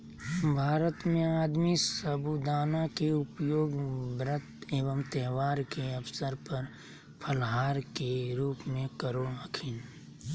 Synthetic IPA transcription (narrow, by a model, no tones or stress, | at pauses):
bʱaːɾət̪mẽaːd̪misəbud̪aːnakeʊpjoːɡbɾət̪eːʋəmt̪ɛɦʋaːɾkeɐpsəɾpɐɾ | pʰəlɦaːɾkeɾuːpmẽkəɾoəkʰɪn